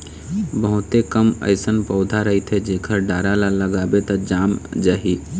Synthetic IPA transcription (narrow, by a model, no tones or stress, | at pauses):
bəɦʊt̪ekəmə̰ɪsənpəʊd̪ʱaɾəɦit̪ʰed͡ʒeːkʰəɾɖaːɾalaləɡaːbet̪əd͡ʒaːmd͡ʒaːɦi